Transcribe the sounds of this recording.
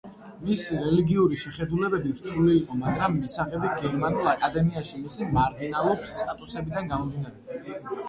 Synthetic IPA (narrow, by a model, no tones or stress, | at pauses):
misiɾɛliɡiuɾiʃɛχɛd̪ulɛbɛbiɾt̪ʰɾuliːqʼɔmaɡɾamːisaʁɛbiɡɛɾmanulˠakʼad̪ɛmiaʃimisimaɾɡinalˠuɾpst̪ʼat̪ʼusɛbid̪anɡamɔmvinaɾɛb